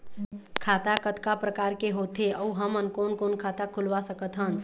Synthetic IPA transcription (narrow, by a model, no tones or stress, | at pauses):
kʰat̪akət̪kapɾəkaɾkeɦot̪ʰeəuɦəmənkonkonkʰat̪akʰulʋasəkət̪ɦən